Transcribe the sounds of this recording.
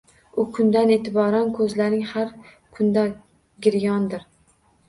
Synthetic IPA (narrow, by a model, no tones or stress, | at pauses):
ʊkʰʊnd̪anet̪ʰɪbɒɾankʰɵzlaɾnɪŋhaɾ | kʰʊnd̪a | ɡʲɪɾjɒnd̪ɪɾ